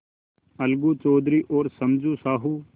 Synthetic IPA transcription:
əlɡuːt͡ʃoːd̪ɾiːʔoːɾsəmd͡ʒũːsaːɦuː

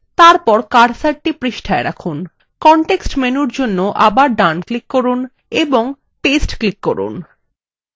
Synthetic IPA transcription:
t̪aɾpɔɾkaɖsaʈ̚ʈipɾiʃʈʰaeɾakʰun | kɔɳʈeksʈmenuɾd͡ʑonːoʔabaɾɖanklikːɔɾun | eboŋ | pesʈklikːɔɾṵn

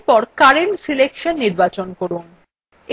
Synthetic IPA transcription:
pɔɾkaɾeɳʈsilekʃonːiɾbat͡ɕonkoɾun | e

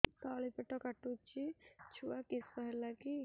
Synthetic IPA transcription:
kalipeʈɔkaʈut͡ʃʰit͡ʃʰuakispaɦɛlaki

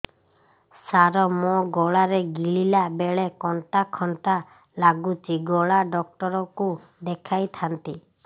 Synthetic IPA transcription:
saɾɔmɔɡɔɭaɾeɡiɭilabeɭekɔɳʈakʰɔɳʈa | laɡut͡ʃiɡɔɭaɖɔk̚ʈɔɾɔku | d̪ekʰajt̪ʰant̪i

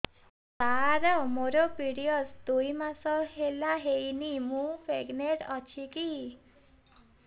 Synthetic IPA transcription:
t̪aɾɔmoɾɔpiɾiɔsd̪ujmasɔɦelaɦejnimũfʰeɡneɾɔt͡ʃʰiki

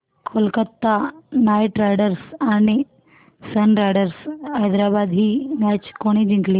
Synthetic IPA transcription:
kʰolkət̪ːanaːjʈɾajɖəɾsaːni | sɐnɾajɖəɾshajd̪ɾaːbaːd̪ɦimaːt͡ʃkoɽ̃id͡ʒiŋkli

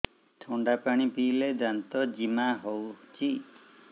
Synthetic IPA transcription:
t̪ʰuɳɖapaɽ̃ipiled̪ant̪ɔd͡ʒimaɦowt͡ʃʰi

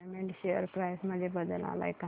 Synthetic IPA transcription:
meɳʈɕeə̰ɾpɾajsməebəd̪əla̰la̰ika

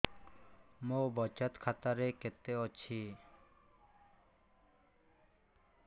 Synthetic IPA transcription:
mobɔt͡ɕat̪kʰat̪aɾeket̪eɔt͡ɕʰi

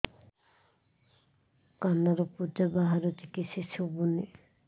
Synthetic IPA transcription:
kanaɾɔpud͡ʒabaɦaɾɔt̪ʰikisisubuni

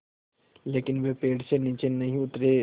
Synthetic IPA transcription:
leːkɪnʋepeːɽsenit͡ʃenɐɦĩʊt̪ɾe

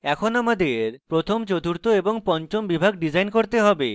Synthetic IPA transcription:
ɛkʰonamad̪eɾpɾot̪ʰomt͡ɕod̪uɾt̪oeboŋpɔnt͡ɕombibʱaɡɖid͡ʑajnkoɾt̪eɦɔbe

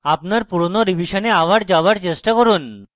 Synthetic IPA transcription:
apnaɾpuɽonoɾibʱiʃoneaʋaʈd͡ʑaʋaɾt͡ɕesʈakɔɾun

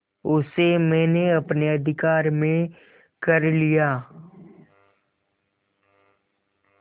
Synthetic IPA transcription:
ʊsemɛ̃ːneɐpneɐd̪ʱɪkaːɾmẽ | kɐɾlijaː

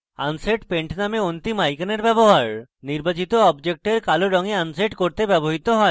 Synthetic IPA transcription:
a̰nseʈpeɳʈnameont̪imajkaneɾbɛboɦaɾniɾbat͡ɕit̪oɔbd͡ʑek̚ʈeɾkaloɾɔŋeanseʈkoɾt̪ebɛboɦit̪oɦɔe

